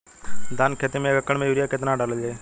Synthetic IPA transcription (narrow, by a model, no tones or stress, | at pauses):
d̪ankʰeːt̪emẽkəkːəɳmẽjuːɾɪjakɪt̪naːɖəɾləd͡ʒeː